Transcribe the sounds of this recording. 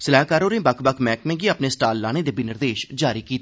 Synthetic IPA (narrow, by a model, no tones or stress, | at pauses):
səlaːkaːɾoːɾẽːbəkʰbəkʰmɛːkmẽːɡiːəpneːsʈaːlːaːneːd̪eːbinɪɾd̪eːʃd͡ʒaːɾiːkiːt̪a